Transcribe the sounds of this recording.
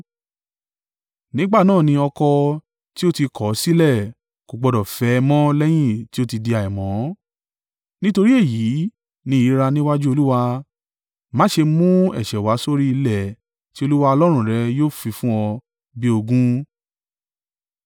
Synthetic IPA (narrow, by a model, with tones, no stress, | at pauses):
nĩ˦ɡ͡ba˦˨nãː˦˨nĩ˧ɔ˧kɔ˧ | ti˦o˦ti˧kʰɔ˨˦si˦lɛ˦˨ | ko˨ɡ͡bɔ˨dɔ˨fɛ˨˦˧mɔ̃˦lɛ˦j̃ĩ˦˨ti˦o˦ti˧di˧a˨ɛ˨mɔ̃˨˦ | nĩ˦to˧ɾi˦e˦˨ji˨˦ | nĩ˧˦i˨˦ɾa˧nĩ˦wa˦d͡ʒu˦o˧lu˦wa˧ | mã˦ʃe˧mũ˦ɛ̰˦˨ʃɛ˨wa˨˦so˦ɾi˦i˧lɛ˦˨ | ti˦o˧lu˦wa˧ɔ˧lɔ˦ɾ̃ũ˦˨ɾɛ˨˧˦joː˦˨fĩ˧fũ˦ɔ˧ | bi˦o˧ɡũ˦